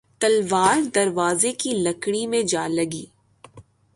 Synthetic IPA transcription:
t̪ɐlʋaːɾd̪ɐɾʋaːzekilɐkɽimẽd͡ʒaːlɐɡiː

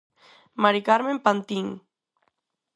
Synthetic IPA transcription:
maɾikaɾmempant̪iŋ

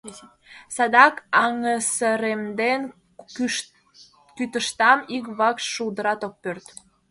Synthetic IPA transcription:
sɑd̪ɑkɑŋəsəɾemd̪en | kyt̪əʃt̪ɑmik̬βɑkʃʃuld̪əɾɑt̪ok̚pørt̪

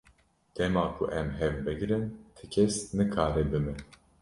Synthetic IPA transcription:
d̪̥ɛmaːkʰṵʔɛmɦɛvbɨɡɾɨnt̪ʰɨkʰɛsnɨkʰaːɾɛbɨmɨ

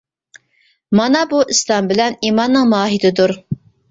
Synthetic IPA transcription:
mɑnɑbuʔislˠɑmbɪlɛnimɑnːɨŋmɑːɦɪd̪ɪd̪uɾ

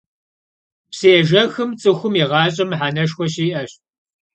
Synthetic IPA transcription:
psiʒɐxɨmt͡sʼɨxʷʊmɛʁɑːɕʼɐmħaːnɐʂxʷɔɕiːʔɐɕ

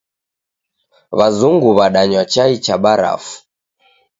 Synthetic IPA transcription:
βazuŋɡuβaɗaɲwat͡ʃait͡ʃaɓaɾa̰fu̥

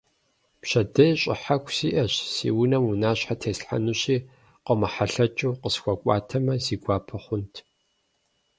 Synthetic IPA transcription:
pɕɐdɐɕʼɪ̰ħakʷʰsiːʔɐɕsḭːwʊnɐmunaːɕħatʰeːsħa̰nuɕiː | qəmɐħaɬɐt͡ʃʼuwqəsxʷɐkʷʼɑ̰ːtʰɐmɐziːɡʷaːpʰɐχʷʊntʰ

